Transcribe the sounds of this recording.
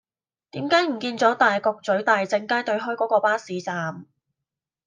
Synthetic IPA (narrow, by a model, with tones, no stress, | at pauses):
t̪iː˨˥mkaː˨˥jm̩˨˩kiː˧nt͡sɔː˨˥t̪aː˨jkɔː˧k̚t͡sɵ˨˥ɥt̪aː˨jt͡sɪ˧ŋkaː˥jt̪ɵ˧ɥɦɔː˥jkɔː˨˥kɔː˧paː˥siː˨t͡saː˨˧m